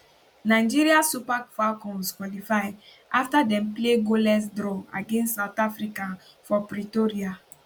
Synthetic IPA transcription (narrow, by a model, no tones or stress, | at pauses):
naɪd͡ʒiɾiasupakfakɔ̃nskwɔlifaɪ | aftadɛ̃mpleɡolɛsdɾɔa̰ɡẽnssaʊtafɾikã | fɔpɾitoɾia